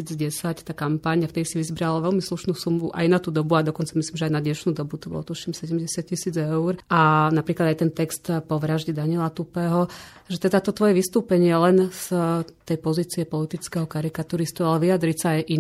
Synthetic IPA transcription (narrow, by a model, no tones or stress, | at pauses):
iːd͡zɟɛsact̪aːkampaɲaft̪ɛd̪isiʋizbɾalaʋɛlmisluʃnuːsumuʔa̰jnat̪uːd̪ɔbuad̪ɔkɔnt͡samislimʒɛajnad̪ɲɛʃnuːd̪ɔbut̪ɔbɔ̰lɔt̪uʃimsɛɟɛmɟɛsat̪̚cːisiːd͡zɛʊɾanapɾiːklad̪ajt̪ɛnt̪ɛkst̪pɔʋɾaʒɟɛd̪anɪɛlat̪upɛːɦɔ | ʒɛt̪ɛd̪at̪ɔt̪ʋɔjɛʋist̪uːpɛɲɪɛlɛnst̪ɛjpɔziːt͡siɛpɔlit̪it͡skɛɦɔkaɾikat̪uːɾist̪ualɛʋiad̪ɾicsaːjʔi